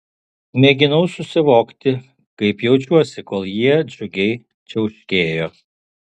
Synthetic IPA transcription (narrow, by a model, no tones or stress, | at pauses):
mʲeɡʲɪnɐʊsʊsʲɪʋoːkt̪ʲɪ | kɐɪpjɛʊt͡ʃʲuɔsʲɪkoːlˠjiɛd͡ʒʲʊɡʲɛɪ | t͡ʃʲɛʊʃʲkʲeːjoː